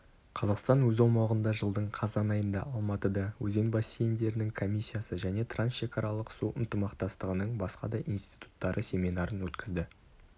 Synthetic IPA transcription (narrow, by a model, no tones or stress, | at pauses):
qʰɑzɑqst̪ɑnwɵzɑlˠmɑʁənd̪ɑʒəlˠd̪əɴqʰɑzɑnɑjənd̪ɑ̰ʔɑlˠmɑt̪əd̪ɑwɵze̞nbɑsːejend̪e̞ɾɪnɪŋkʰo̞mʲisʲːijasəʒæne̞t̪ʰransʃe̞kɑɾɑlˠəqsuʔənt̪əmɑqt̪ɑst̪əʁənəɴbɑsqɑ̰d̪ɑʔinst̪i̥t̪u̥t̪ːɑɾʔəsʲe̞mʲinɑɾənwɵt̪kʲɪzd̪ɪ